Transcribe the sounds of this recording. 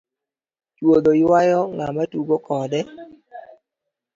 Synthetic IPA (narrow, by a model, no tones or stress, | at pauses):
t͡ʃwod̪ojwajɔŋamatuɡokɔdɛ